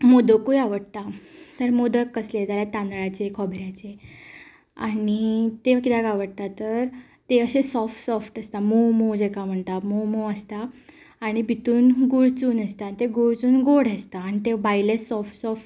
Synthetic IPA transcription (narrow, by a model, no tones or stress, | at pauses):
mod̪əkujaʋəɽt̪at̪əɾmod̪əkːəslet̪aljat̪ãnɭat͡ɕekʰɔbɾjat͡ɕe | a̰ɽ̃it̪ekit̪akaʋəɽ̚t̪at̪əɾ | t̪eəɕesɔfʈsɔfʈəst̪amomod͡ʑekam̤əɳt̪amomoəst̪aː | ɽ̃ibʱit̪uːnɡuɽt͡suːnəst̪aanit̪eɡoɽt͡suːnɡoɽest̪aːñit̪ebajlessɔfʈsɔfʈ